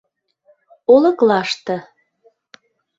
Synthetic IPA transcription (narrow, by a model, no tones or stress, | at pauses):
olɤ̆klɑʃt̪ə̆